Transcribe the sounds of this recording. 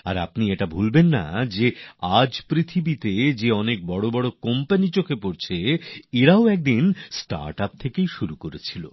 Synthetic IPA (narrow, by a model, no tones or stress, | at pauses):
a̰ɾa̰pnieʈabʱulbenːa̰d͡ʑead͡ʑpɾit̪ʰibit̪ed͡ʑeɔnek̚bɔɽobɔɽokɔmpanit͡ɕokʰepoɾt͡ɕʰeeɾaoɛk̚d̪insʈa̰ɾʈap̚t̪ʰekejʃuɾukoɾet͡ɕʰilo̰